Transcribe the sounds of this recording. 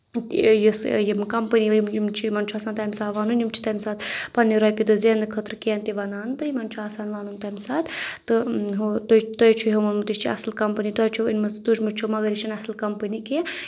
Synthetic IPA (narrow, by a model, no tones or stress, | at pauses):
jisjimkɐmpəniimjimt͡ʃʰimɐnt͡ʃʰuaːsaːnt̪amʲsaːʋaːnunjumt͡ʃʰi̥t̪ɐmʲsaːt̪pɐnːiɾɐpʲid̪ɨzend̪ɨkʰət̪ɾkent̪iʋɐnaːnt̪ɨjimɐnt͡ʃʰuaːsaːnʋaːnunt̪ɐmʲsaːt̪t̪ɨɦot̪ot̪ojt͡ʃʰuɦomɐnmɨt̪iʃt͡ʃʰiɐ̰slkɐmpɨnit̪ɔːjt͡ʃʰuḭnmɨt̪uʃmɨt͡ʃʰumɐɡɐɾʲit͡ʃʰinɐslkɐmpənike